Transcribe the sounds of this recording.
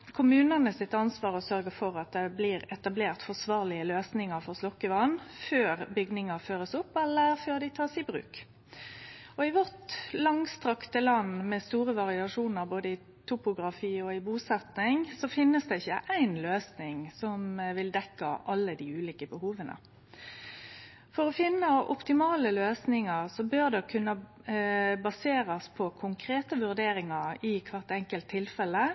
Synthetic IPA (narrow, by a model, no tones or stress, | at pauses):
kʰʊmʉːnənəsɪt̪ːɑnsʋɑːɾɔsœɾɡəfɔɾɑt̪̚d̪ɛblɪːɾɛt̪ɑbleːʁt̪fɔsʋɑːʁlɪəløːsnɪŋɑɾfɔʁslɔkːəʋɑnføːɾbʏɡnɪŋɑføːɾəsʊpːɛlːəɾføːɾd̪ɪt̪ʰɑːsɪbɾʉ̰ːk | ɔɪʋɔʁt̪lɑŋst̪ɾɑkt̪əlɑnːmɛst̪uːɾəʋɑʁɪɑʂuːnəɾboːd̪əɪ | t̪ʰʊpʊɡɾɑfiːɔɪbuːsɛt̪nɪŋsɔfɪnːəsd̪ɛɪçːəʔæɪnløːsnɪŋsɔmʋɪld̪ɛkːɑ̰ʔɑlːəd̪iʉːliːkəbəhuːʋənə̰ | fɔʁɔfɪnːəʔɔ̰pt̪ɪmɑːləløːsnɪŋɑʁsɔbøʁd̪ɛkʰʉnːə | bɑseːɾɑspʰɔkʰʊŋkʰɾeːt̪əʋʉʁd̪eːɾɪŋɑɾɪkʰʋɑʁt̪ɛŋkəlt̪ʰːɪlfɛlːə